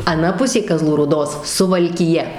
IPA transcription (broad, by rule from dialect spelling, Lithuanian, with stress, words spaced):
ɐˈnɐ ˈpʊsʲeː kɐˈzlˠuː ruːˈdoːs sʊʋɐlʲkʲɪˈjɛ